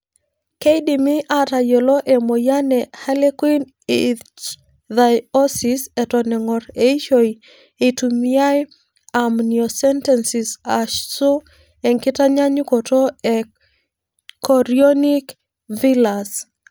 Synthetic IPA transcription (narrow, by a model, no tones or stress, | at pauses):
kejdimiʔatajoloʔemojanɛhalekwin | i | dajɔsisɛtɔnɛŋɔɾeiʃoi | etumiaj | amniosɛntɛnsisaʃsu | eŋkɪtaɲaɲʊkotoɛ | kʰɔɾionik | vilas